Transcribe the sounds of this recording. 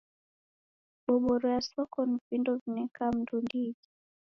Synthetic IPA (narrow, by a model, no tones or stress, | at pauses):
ɓɔɓɔɾɔjasɔkɔnivindɔvinɛkam̩dundizi̥